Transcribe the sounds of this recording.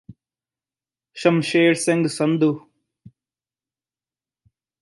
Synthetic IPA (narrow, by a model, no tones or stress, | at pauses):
ʃɐmʃeːɽseŋɡsɐnd̪u